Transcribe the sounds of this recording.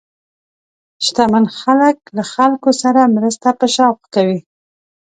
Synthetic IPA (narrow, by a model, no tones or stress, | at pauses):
ʃt̪amanxaləklaxalkosaɾamɾəst̪apəʃɑwqkawi